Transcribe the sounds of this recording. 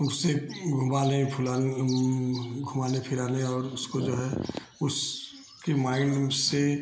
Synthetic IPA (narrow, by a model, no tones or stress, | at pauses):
ʊsːeɡʱʊ̃mbaːlẽpʰʊla | ɡʱʊmaːlepʰɪɾaːleɔːɾʊskod͡ʒoːɦɛ | ʊs | kemaːɪnse